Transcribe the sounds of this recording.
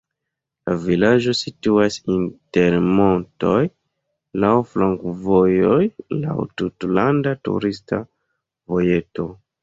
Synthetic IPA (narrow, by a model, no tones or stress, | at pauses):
lavilad͡ʒo̞situasinte̞ɾmo̞nto̞j | lawfloŋkvojojla̰wtutlandatṵɾista | vo̞je̞to̞